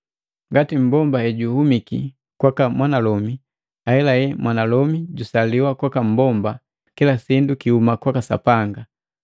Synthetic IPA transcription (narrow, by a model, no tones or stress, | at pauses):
ŋɡatim̩bɔmbahɛɟuhumikḭ | kwakamwanalɔmi | ahɛlajɛmwʔanalɔmiɟusaliwakwakam̩bɔmba | kilasindukihumakwakasa̰paŋɡa